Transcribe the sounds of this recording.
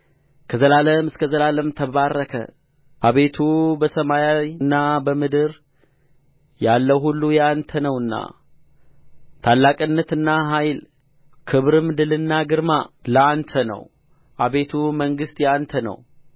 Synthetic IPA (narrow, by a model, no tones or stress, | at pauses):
kʰəzəlaləmɨskʰəzəlaləmt̪ʰəβarːəkʰə̰ | ʔaβe̞t̪ʰubəsəmajajɨnːabəmɨd̪ɨɾ | jalːəwɦulːujant̪ʰənəwɨnːa̰ | t̪ʰalːakʼɨnːət̪ɨnːaɦajl | kʰɨβɾɨmd̪ɨlɨnːaɡɨɾmaləant̪ʰənə̰w | ʔaβe̞t̪ʰuməŋɡɨst̪jant̪ʰənə̰w